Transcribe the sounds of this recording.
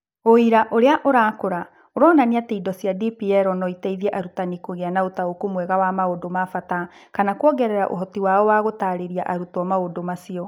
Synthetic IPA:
oiɾaʔoɾeaʔoɾaːkoɾa | oɾɔːnaniateidɔsjadipiɛɾɔnɔitɛiðiɛʔaɾutanikoɣeanaotaokomwɛɣawamaodomafata | kanakwɔɡɛɾɛɾa̰ʔo̰ɦɔtiwaɔwaɣotaɾeɾiaʔaɾutɔmaodomasiɔ

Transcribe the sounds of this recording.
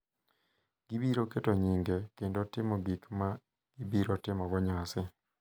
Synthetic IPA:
ɡ̥ibiɾoketoɲiŋɡekendotɪmɔɡikma | ɡ̥ibiɾotɪmɔɡɔɲasɪ

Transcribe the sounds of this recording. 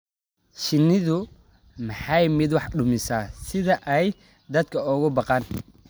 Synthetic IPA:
ʃɪnːɪðʊ | mɑħɑjmɪd̪wɑħɖʊmɪsaːsɪðɐʔɛj | d̪ɐd̪kʰɐɔɣʊbɑqɑːn

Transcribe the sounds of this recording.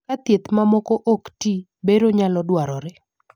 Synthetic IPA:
kat̪jet̪mamɔkoʔokti | beɾoɲalɔdwaɾɔɾɛ

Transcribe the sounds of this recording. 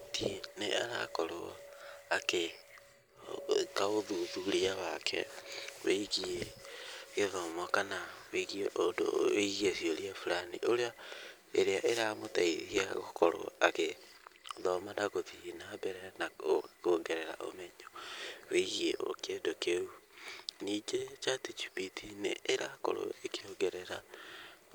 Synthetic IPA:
tʰineʔaɾa̰kɔɾo̰ | ake | kaɣoðuðuɾiaβakʰɛ̰weiɣie | ɣeðɔmɔkanaweiɣieʔodo̰iɣiesioɾiafuɾanḭʔoɾea | eɾeaʔeɾamotaihia̰ɣokʰɔɾo̰a̰ɣe | ðɔmadaɣotiːnabɛɾɛnaokoːŋɡɛɾɛɾa̰ʔo̰mɛɲɔweiɣiḛʔo̰kedokeuniːd͡ʒet͡ʃatit͡ʃipitinḛːɾako̰ɾo̰ekiɾoɡɛɾɛɾa

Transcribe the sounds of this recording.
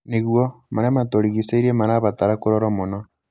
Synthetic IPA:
niɣwɔmaɾamatoɾiɣiseiɾemaɾaβataɾakoɾɔɾɔmonɔ

